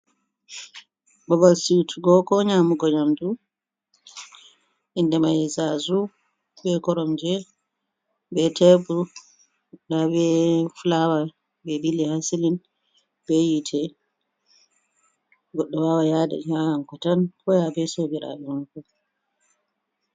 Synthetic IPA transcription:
babalsitʰuɡɔkɔɲamuɡɔɲamdu | ʔindɛmajɛzazu | bɛkɔɾɔmd͡ʒɛ | bɛtɛbu | dabɛfulawa | bɛbilihasilin | bɛjitʰɛ | ɡɔɗːɔwawajadɛ̰ɲaaŋkɔtankɔjabɛsobiɾa̰bɛmakɔ

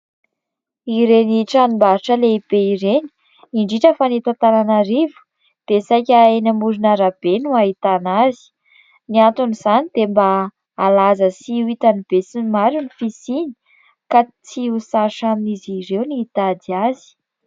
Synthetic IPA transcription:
iɾeniʈ͡ʂanimbaɾiʈ͡ʂəleib̥eiɾeni̥ | iɳɖ͡ʐiʈ͡ʂəfanit̪at̪aɾanaɾivu̥ | d̪̥esajkʲaenamuɾinaɾab̥enuaɦit̪anazi̥ | niant̪uniz̥anid̪embaː | lazəsiuit̪anib̥esinimaɾunifisini̥ | kat͡siusaʃaminiziɾewniit̪ad̪iazi̥

